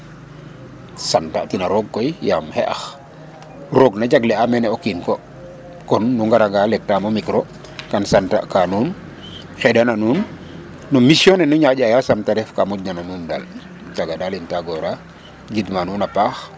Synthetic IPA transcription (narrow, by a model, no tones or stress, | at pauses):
santa̰ʔtinaɾɔɡ̚kɔjjamhɛ̰ʔa̰x | roɡnad͡ʒaɡlɛamɛnɛokinkɔ | kɔnːuŋɡaɾaɡalɛk̚tamomikɾo | kansanta̰ʔkanuːn | xɛdananuːnː | umisjɔnɛnuɲaɟajasamtaɾɛfkamɔɟnananuːnda̰l | t͡ʃaɡadalintaɡɔɾa | d͡ʒidmanunapaːx